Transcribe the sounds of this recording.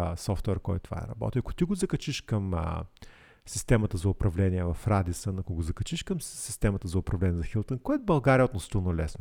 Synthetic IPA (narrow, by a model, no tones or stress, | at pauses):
sɔft̪wɛɾkɔ̰jt̪ova̰ɛ̰ɾɐbɔ̰t̪ʲiɐkʊ̥t̪iɡʊzɐkɐt͡ʃiʃkɐm̰ | sist̪ɛmət̪əzɐʊpɾɐvlɛniɛvɐfɾad̪isənɐkʊɡozɐkɐt͡ʃiʃkɐmsi̥st̪ɛmət̪əzɐʊpɾɐvlɛniɛzɐxilˠt̪ənkɔɛɛbɐlˠɡaɾijəot̪most̪inolɛsno